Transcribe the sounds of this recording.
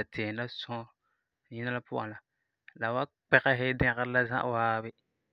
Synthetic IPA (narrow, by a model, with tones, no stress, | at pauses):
a˨tʰe˨la˦sɔ̃˦ | ɲi˦na˦la˦pʊ˦ʔa̰˨la˨ | la˨wa˦ | k͡pɛ˦˨kɛ˦ɦɪ˦dɛ̃˦kə˦ɾla˦zã̰˦ʔwaː˦bɪ˦